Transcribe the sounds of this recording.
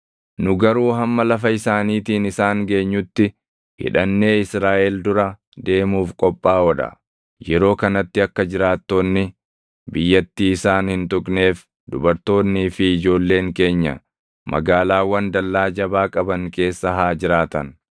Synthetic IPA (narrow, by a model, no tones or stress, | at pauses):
nʊɡɐɾuːɦɐmːɐlɐfɐɪsaːniːt̪iːnɪsaːŋɡe̞ːɲːʊt̪ːɪ | hɪ̰ᶑɐnːe̞ːɪsɾaːʔɛld̪ʊɾɐ | d̪e̞ːmuːfkʼɔpʼːaːɔᶑɐ̰ | jɛɾo̞ːkɐnɐt̪ːɪɐkːɐd͡ʒɪɾaːt̪ːo̞ːnːɪ | bɪjːɐt̪ːiːɪsaːnhɪnt̪ʊkʼne̞ːf | d̪ʊbɐɾt̪o̞ːnːiːfɪɪd͡ʒo̞ːlːe̞ːŋke̞ːɲːɐ̰ | mʔɐ̰ɡaːlaːwɐnd̪ɐlːaːd͡ʒɐbaːkʼɐbɐŋke̞ːsːɐɦaːd͡ʒɪɾaːt̪ɐn